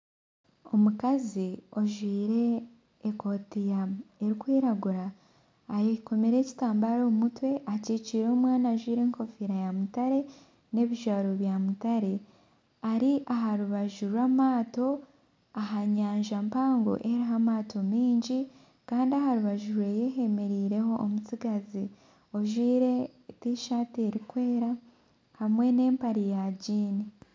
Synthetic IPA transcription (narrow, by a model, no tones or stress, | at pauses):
o̞mukazio̞ʒwiːɾe̞ː | ko̞tijae̞ɾikwiːɾaɡuɾaː | jiko̞meɾe̞ːci̥taːmbaɾoːmutwe̞ʔaciciːɾoːmwaːnaʒwiːɾe̞ːŋko̞fiɾajamutaɾe̞ | ne̞βiʒaɾoβjamutaɾe̞ | aɾiʔaɦaɾuβaʒuɾwamaːto̞ | aɦaɲaːɲʒampaːŋɡo̞̰ʔeɾiɦamaːto̞miːɲɟi | kaːndiahaɾuβaʒuɾwe̞jeɦe̞me̞ɾiːɾe̞ho̞ʔːmut͡siɡazi | o̞ʒwiːɾe̞tiʃaːtieɾikwe̞ːɾa | hamwe̞ne̞ːmpaɾijaːɟiːni